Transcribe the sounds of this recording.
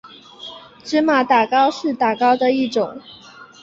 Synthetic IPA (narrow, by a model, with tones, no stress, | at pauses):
ʈ͡ʂ̩˥ma˨˩˦t̪a˨˩kɑ˥˧ʊʂɻ̩˥˩t̪a˨˩kɑ˥˩ʊd̪ə˨i˥˩ʈ͡ʂʊ˨˩˦ŋ